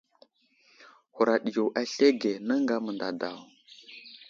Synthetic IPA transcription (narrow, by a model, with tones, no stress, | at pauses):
hu˨ɾa˨ɗi˨jo˨wʔa˨ɬe˦ɡe˨nə˦ŋɡa˦mə˨nda̰˨da˨w